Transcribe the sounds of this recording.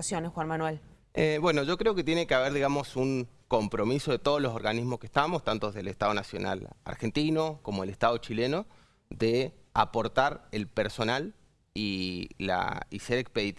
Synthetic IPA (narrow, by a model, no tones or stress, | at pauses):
sjonesxwanmanwel | ebwe̞no̞ʒo̞kɾeo̞ket̪je̞nekeaβ̞eɾðiɣamo̞suŋko̞mpɾo̞miso̞ð̞et̪o̞ð̞ozlo̞s̬o̞ɾɣanizmoskeht̪amost̪ant̪oðelest̪aðo̞nasjo̞̰na̰la̰ɾxe̞nt̪ino̞ko̞mo̞elest̪að̞ot͡ʃileno̞ | ðea̰po̞ɾt̪aɾelpeɾso̞nal | ila̰iseɾekspeðit̪